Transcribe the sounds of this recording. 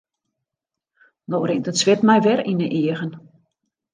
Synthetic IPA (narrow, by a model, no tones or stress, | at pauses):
noːrɪŋtətsʋɪtmɛjʋɛrinəʔiəɣən